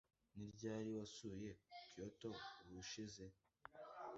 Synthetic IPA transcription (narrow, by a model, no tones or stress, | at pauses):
niɾɟaːɾiwasuje̞kioto̞βuʃize̞